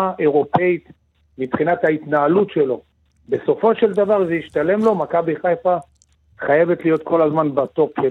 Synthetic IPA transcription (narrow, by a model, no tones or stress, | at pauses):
aʔe̞ʁo̞pe̞it̪ | mipχinat̪hait̪naːlutʃe̞lo̞ | be̞so̞fo̞ʃe̞ld̪avaʁzeiʃt̪ale̞mlo̞makabiχajfa | χaje̞ve̞t̪lijo̞t̪kʰo̞lazmanbat̪o̞pʃe